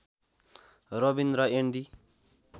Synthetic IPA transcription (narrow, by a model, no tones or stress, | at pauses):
robind̪ɾʌeɳɖi